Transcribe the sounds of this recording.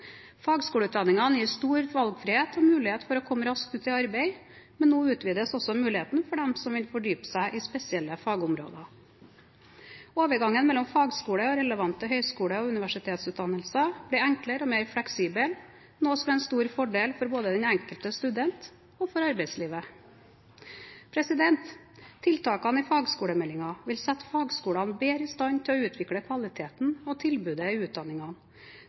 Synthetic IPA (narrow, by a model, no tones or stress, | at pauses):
fɑːɡskuːləʉt̪d̪ɑnːɪŋɑnjiːst̪uːɾʋɑlɡfɾɪheːt̪ʰɔmʉːlɪheːt̪fɔɾɔkʰɔmːəɾɑsk̚t̪ʉːt̪ɪɑɾbeɪ | mɛnːoːʉːt̪ʰʋiːd̪əsɔsɔmʉːlɪheːt̪n̩fɔɖɛmsɔmʋɪlfɔɖyːpə̥sæɪʔɪspɛsɪɛlːəfɑːɡʊmɾo̰ːd̪ɑ | oːʋəɾɡɑŋːənmɛlːɔmfɑːɡskuːɽəɔɾɛləʋɑnt̪əɦœʏskuːləɔʉnɪʋæʂɪt̪ʰeːt̪sʉːt̪d̪ɑnːəlsɑb̥lɛæŋkləɾɔmeɪɾfɽɛksiːbəl | noːsɔmɛɪnst̪uːɾfɔɖeːlfɔɾboːd̪əd̪ɛnæŋkəlt̪əst̪ʉd̪ɛnt̪ | ɔfɔɾɑɾbɛɪsliːʋə | pʰɾɛsɪd̪ɛnt̪ʰː | ɪlt̪ʰɑːkɑniːfɑːɡskuːɽəmɛlːɪŋɑʋɪlsɛt̪fɑːɡskuːɽɑnbeːɾɪst̪ɑɲt̪ʰɪlɔʉːt̪ʰʋɪkɽəkʰʋɑlɪt̪ʰeːt̪n̩ɔt̪ʰɪlbʉːd̪əiʉːt̪̚d̪ɑnːɪŋɑn